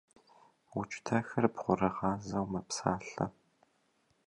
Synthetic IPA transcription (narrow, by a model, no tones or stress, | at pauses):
wʊt͡ʃʼtʰɐxɐrpχʷʊɾɐʁɑːzɐwmɐpsaːɬɐ̰